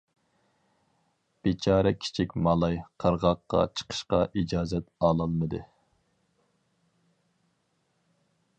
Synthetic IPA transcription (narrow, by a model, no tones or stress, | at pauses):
b̥et͡ʃʰɑːɾɛkʲʰi̥t͡ʃʰikʲmɑlˠɑjqʰəɾʁɑqːɑ̰t͡ʃʰə̥qʰə̥ʃqɑ̰ʔid͡ʒɑːzɛt̪ɑlˠɑlˠmɨd̪ɨ